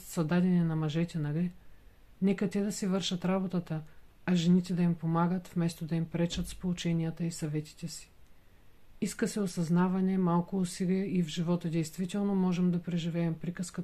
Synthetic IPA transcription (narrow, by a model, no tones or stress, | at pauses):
t̪sɐd̪ad̪ɛnɛnɐmɐʒɛt̪ʲɛnɐɡ̪ɛ | nɛkɐt̪ɛd̪ɐsivɤɾʃɐt̪ɾabot̪ət̪əɐʒɛnit̪ɛd̪ɐimpomaɡət̪fmɛst̪od̪ɐimpɾɛt͡ʃət̪spolˠʊt͡ʃɛniət̪əisɐvɛt̪i̥t̪ɛsi̥ | iskəsɛosɐznavɐnɛmalˠkʊːsiɡɛivʒivɔt̪əd̪ɛjst̪vit̪ɛlˠnomɔʒɛmd̪ɐpɾɛʒivɛːmpɾikəskə